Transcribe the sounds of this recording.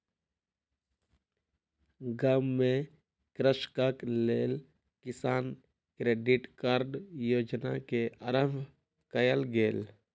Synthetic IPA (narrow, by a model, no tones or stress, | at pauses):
ɡaːmːẽ | kɾəʃkakleːl | kɪsaːn | kɾeːɖɪʈkaːɾɖjoːd͡ʒnakeəɾəbʱ | kəjəlɡeːl